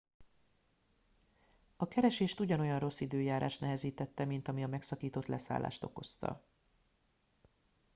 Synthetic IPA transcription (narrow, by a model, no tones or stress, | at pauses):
ɒkɛɾɛʃeːʃt̪uɟɒno̞jɒnro̞sːid̪øːjaːɾa̰ːʃt̪nɛɦɛziːt̪ɛt̪ːɛmint̪ɒmiɒmɛksɒkiːt̪o̞t̪lɛsa̰ːla̰ːʃt̪o̞ko̞st̪ɒ̰